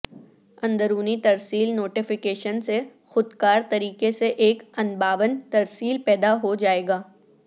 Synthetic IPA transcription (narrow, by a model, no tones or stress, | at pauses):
ɐ̃nd̪əɾuːnit̪ɐɾsiːlnoːʈɪfɪkeːʃənse | xʊd̪kaːɾt̪ɐɾiːkeseʔeːkɐ̃nbaːʋənt̪ɐɾsiːlpɛːd̪aɦod͡ʒaːeːɡaː